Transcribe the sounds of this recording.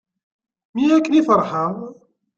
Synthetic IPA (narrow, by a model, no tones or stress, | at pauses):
miækːənifəɾˤħəðˤ